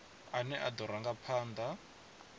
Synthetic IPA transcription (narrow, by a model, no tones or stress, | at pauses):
anɛʔad̪ɔɾaŋɡapʰaːnd̪a